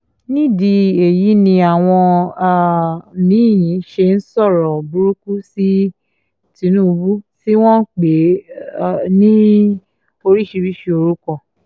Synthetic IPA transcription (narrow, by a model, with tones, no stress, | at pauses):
nĩ˦di˧e˨ji˨˦nĩ˧a˨w̃ɔ̃˧˨ | nĩ˨˦˨jĩ˨˦ʃe˧n̩˦sɔ˦˨ɾɔ˨bu˦ɾu˦ku˦si˦ | tĩ˧˦nũː˦˨˧bu˦ti˦w̃ɔ̃˦k͡pe˨˦˨ | nĩ˦ | o˧ɾi˦˨ʃi˧bi˦ʃe˦˧o˧ɾu˦kɔ˦˨